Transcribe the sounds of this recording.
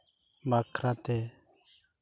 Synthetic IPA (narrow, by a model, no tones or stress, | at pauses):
makʰɾat̪e